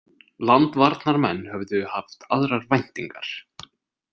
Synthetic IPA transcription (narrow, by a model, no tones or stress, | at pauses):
lant̪vaɾt̪naɾmɛnːhœvðʏhaft̪aðɾaɾvajn̥t̪iŋka̰ɾ̥